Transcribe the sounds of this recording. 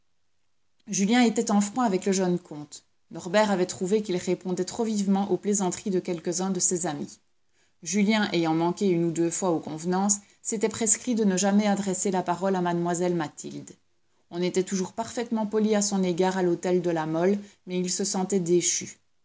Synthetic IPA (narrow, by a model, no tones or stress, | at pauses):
ʒyljɛ̃et̪ɛt̪ɑ̃fχɔ̃avɛkləʒənkʰɔ̃t̪ | nɔʁbɛʁavɛt̪χuvekilʁepɔ̃d̪ɛt̪χovivmɑ̃ʔoplezɑ̃t̪χid̪əkʲɛlkəzɛ̃d̪əsezami | ʒyljɛ̃ʔejɑ̃mɑ̃kʲeynud̪øfwaokɔ̃vnɑ̃sː | et̪ɛpχeskχid̪ənəʒamɛad̪ʁɛselapaʁɔlamad̪mwazɛlmat̪ild̪ | ɔ̃net̪ɛt̪uʒuʁpaʁfɛt̪mɑ̃pɔliasɔ̃neɡaːʁalot̪ɛld̪əlamɔlmɛilsəsɑ̃t̪ɛd̪eʃy